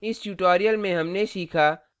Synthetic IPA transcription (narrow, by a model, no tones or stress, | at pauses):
ɪsʈjuːʈoːɾijəlmẽɦɐmneʃiːkʰaː